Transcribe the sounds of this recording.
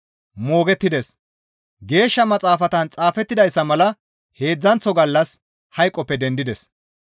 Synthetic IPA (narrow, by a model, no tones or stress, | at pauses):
mo̞ːɡɛt̪ːɪd̪ɛs | ɡe̞ːʃːɐmɐt͡sʼaːfɐt̪ɐnt͡sʼaːfɛt̪ːɪd̪ɐjsːɐmɐlɐ | he̞ːd͡zːɐnt͡sːɔɡɐlːɐs | hɐjkʼːɔpːɛd̪ɛnd̪ɪd̪ɛs